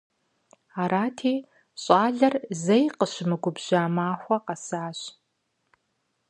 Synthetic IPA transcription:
aːɾaːtʰiː | ɕʼaːɮɐrzɐjqəɕɪmɨɡʷʊbʑaːmaːxʷɔqɐsaːɕ

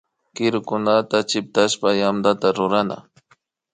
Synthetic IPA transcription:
kɪɾʊkʊnat̪at͡ʃɪp̚t̪aʃpajamd̪at̪aɾʊɾana̰

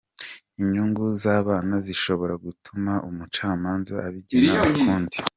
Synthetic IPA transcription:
iɲuːŋɡuzaːβaːnaziʃo̞βo̞ɾaɡutʰumaʔumut͡ʃaːmaːnzaaβiɟinaakuːndi

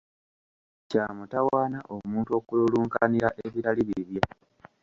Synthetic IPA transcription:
caːmutawaːnaʔo̞muːntuo̞ːkululuːŋkaniɾaʔeβiɾaliβiβjo

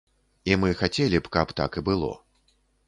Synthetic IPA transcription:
imɨxat͡sʲelʲipkapt̪a̰kibɨlˠɔ̰

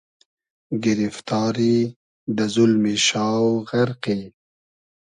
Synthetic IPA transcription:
ɡɪɾift̪ɑːɾi | d̪əzʊlmiʃɑːwɣaɾqi

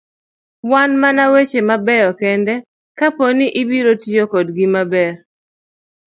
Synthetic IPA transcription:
wanmanawet͡ʃemabɛjɔkɛndɛ | kaponiʔɪbiɾotijokodɡimabɛr

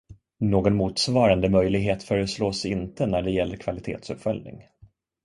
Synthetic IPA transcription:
noːɡɔnmuːt̪svɑːɾand̪əmœjlɪɡɦeːt̪fœːɾəsloːsɪnt̪ənæɖɛjɛlːəɾkʰvalɪt̪ʰḛːt̪sɵpfœlnɪ̰ŋ

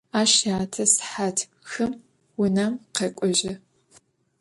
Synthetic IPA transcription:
aːʃaːtʰɐsħatʰ | xɨm | wʊnɐmqekʷʼɔʒɪ

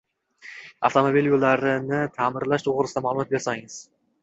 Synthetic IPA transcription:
a̰ft̪ʰomobiljolːaɾɪnɪt̪ʰamɪɾlaʃt̪ʰoʁɾɪsɪd̪amalˠʊmɒt̪̚be̞ɾsaŋɪz̥

